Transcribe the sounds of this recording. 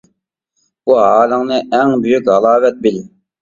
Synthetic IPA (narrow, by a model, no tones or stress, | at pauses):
buɦɑːləŋnɨʔɛŋbyjykʲɦɑlˠɑːvɛt̪̚bɪlɪ